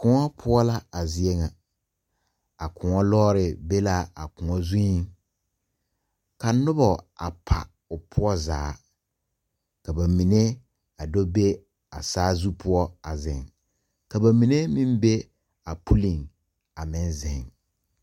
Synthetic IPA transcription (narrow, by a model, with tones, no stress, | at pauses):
kʊ˨ŋɔ˦pʰʊ˦ɔ˦la˦a˨zɪ˦e˦ŋa˨ | a˨kʰʊ̃˨ŋɔ˦lɔː˦ɾɪ˨be˦la˦a̰˨kʊ˨ŋɔ˦zu˦i˦ŋ | ka˨nʊ˦bɔ˨a̰˨pʰa̰˨ | ʊ˨pʰʊ˦ɔ˦zaː˨˦ | ka˨ba˨mi˨ne˦ | a˨dɔ˦be˦ | a̰˨saː˦zu˦pʰʊ˦ɔ˦a˨zɪ̰˨ŋ | ka˨ba˨mi˨ne˦mĩ˦mbe˦ | a˨pʰu˦lĩ˨ŋ | a˨mɪ̃˦nzɪ̃˨ŋ